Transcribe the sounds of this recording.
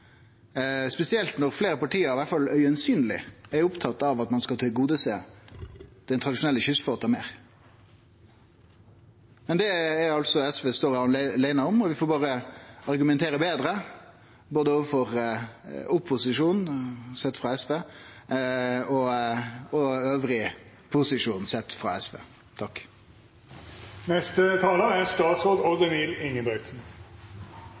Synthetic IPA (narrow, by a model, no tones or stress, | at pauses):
spɛsɪɛlt̪nɔɾfleːɾəpɑʈʰiːəɾɪʋæt̪fɑlœʏɛnsyːnlɪɛɾʊpt̪ʰɑt̪ːɑʋɑt̪mɑnskɑlt̪ʰɪlɡuːd̪əseː | d̪̥ɛnt̪ʰɾɑd̪ɪʂʊnɛlːəçʏsfoːt̪ɑmeːɾ | mɛnd̪ɛɛɾɑlt̪sɔɛsʋeːst̪oːɾɑnlæɪnɑɔmɔʋɪfoːbɑːʁəɑɾɡʉmɛnt̪ʰeːɾəbeːd̪ɾə | boːd̪əoːʋəfɔʁ | ʊpʰːʊsɪʂuːnsɛt̪ːfʁɑɛsʋeː | ɔ | ɔøːʋɾɪ | pʰʊsɪʂuːnsɛt̪ːfʁɑ̰ɛsʋḛː | t̪ʰɑkː | nɛst̪ət̪ʰɑːləæɾst̪ɑːt̪soːd̪ɔd̪əniːlɪŋːəbɛɡ̪sn̩